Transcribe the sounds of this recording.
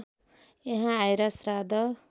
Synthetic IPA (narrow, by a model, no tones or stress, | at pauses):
eɦãːjɾʌsrad̪ʌ